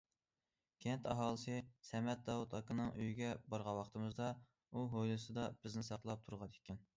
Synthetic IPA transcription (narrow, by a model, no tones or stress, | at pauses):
kʲʰɛnt̪ʰɑɦɑːlˠɨsɨsɛmɛt̪̚d̪ɑwut̪ʰɑkɨnɨŋyjiɡʲɛbɑɾʁɑnwɑqt̪ɨmɨzd̪ɑ | uɦojlˠɨsɨd̪ɑb̥ɪznɪsɑqlˠɑp̚t̪ʰuɾʁɑd̪ekʲʰːɛn